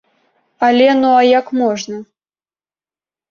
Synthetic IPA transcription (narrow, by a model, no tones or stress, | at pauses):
alʲɛnuajakmɔʐnɐ